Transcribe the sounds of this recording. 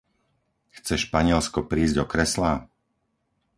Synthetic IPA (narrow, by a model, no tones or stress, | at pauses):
xt͡sɛʃpaɲɪɛlskɔpɾiːzɟdɔkɾɛslaː